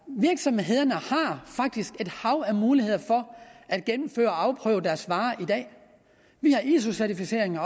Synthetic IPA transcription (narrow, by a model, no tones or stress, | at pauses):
ʋiɐɡ̥sɒ̽mɦe̝ð̞̰ˠɐnəhɑ̈fɑ̈ɡ̥̚d̥isɡ̥e̝d̥hɑ̈ʊæmuːlihe̝ð̞̰ˠɐfɒ̽ʔæd̥̚ɡ̥enm̩fø̰ːɐɒɑ̈ʊpʰʁœ̰ːʊd̥æɐsʋɑ̈ːʔid̥ɛ̰ː | ʋihɑ̈ʔis̬usæɐt͡sʰifise̝̰ɐ̰eŋɐ